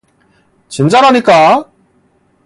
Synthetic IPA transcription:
t͡ɕint͡ɕ͈aɾɦaɲik͈a

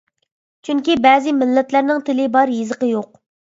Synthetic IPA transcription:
t͡ʃʰyŋkʲibɛːzɪmɪlːɛt̪læɾnɪŋt̪ʰɪlɪbɑɾjezəqəjoq̚

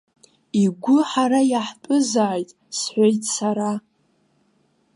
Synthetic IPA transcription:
iɡʷʊħaɾajaħpʼʊzaːjtʼ | sħʷejtʼsaɾa

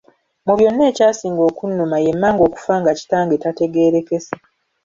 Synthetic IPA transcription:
muβjo̞nːe̞ːcaːsiːŋɡo̞ːkunːumaje̞mːaːŋɡo̞ːku̥faːŋɡaci̥taːŋɡetate̞ɡe̞ːɾe̞ke̞se̥

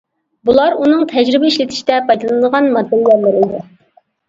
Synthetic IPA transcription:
bulˠɑɾunɨŋt̪ʰɛd͡ʒɾɪbɪiʃlɪt̪ʰɪ̥ʃi̥d̪ɛpʰɑjd̪lˠɨnɨd̪əʁɑnmɑd̪ːɛlːɛɾlɪɾɪd̪ɪ

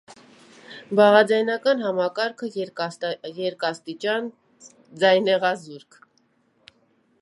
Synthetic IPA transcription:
bɑʁɑd͡zɑjnɑkɑnɦɑmɑkɑɾkʰə | jɛɾkɑst̪it͡ʃɑn | d͡zɑjnɛʁɑzuɾkʰ

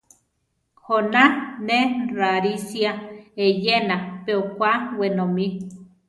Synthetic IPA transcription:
honaneraɾisiaejenapeokʷawenomi

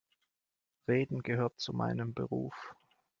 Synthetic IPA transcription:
ʁeːdn̩ɡəɦøːɐt̚t͡sumʔa̰ɪnəmbə̰ʁṵːf

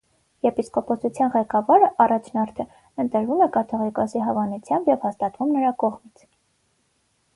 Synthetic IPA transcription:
jɛɾpiskɔpʰɔt͡sʰut͡sʰjɑnʁɛkɑvɑɾəʔɑrɑt͡ʃʰnɑɾt̪ʰə | ənt̪əɾvumɛkɑt̪ʰɔʁikɑsiɦɑvɑnut͡sʰjɑmbjɛvhɑst̪ɑt̪vumnəɾɑkɔʁmit͡sʰ

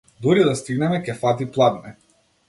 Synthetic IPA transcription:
d̪uɾid̪ast̪iɡnɛmɛkɛfat̪̬iplˠavnɛ

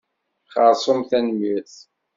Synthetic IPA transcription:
χəɾˤsˤomθænmiθ

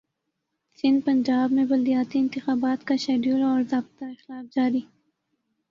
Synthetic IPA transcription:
sɪnd̪̚pand͡ʒɑːbmebald̪ijɑːt̪iɪnt̪ɪxɑːbɑːt̪kaʃaɖjulaɔɾzɑːb̚t̪aɾxlɑːfd͡ʒɑːɾi

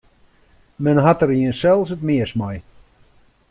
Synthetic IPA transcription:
mɛnɦatəɾiənsɛlˠs̬ətmɪəsmaj

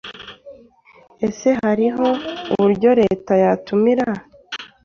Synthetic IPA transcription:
e̞se̞ɦaɾiɦo̞uβuɾɟo̞ɾe̞tajatumiɾa

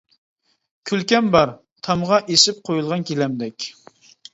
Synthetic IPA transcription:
kʲʰylkʲɛmbɑɾ | t̪ʰɑmʁɑʔeʃɪp̚qʰojulˠʁɑnkʲʰelɛmd̪ɛkʲ

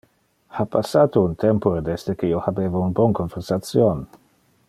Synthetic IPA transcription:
hapasːaːt̪ount̪ʰɛmpoɾed̪est̪ekeiohabeːvaunbɔnkonversat̪sjon

